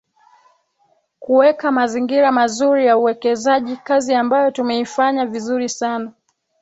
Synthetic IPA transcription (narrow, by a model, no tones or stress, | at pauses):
kuwɛkamaziŋɡiɾamazuɾijauwɛkɛzaʄikaziambajɔtumɛifaɲavizuɾisana